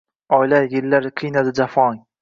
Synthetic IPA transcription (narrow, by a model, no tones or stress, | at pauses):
ɒjlajɪlːaɾqʰɨjnad̪ɪd͡ʒafɒŋ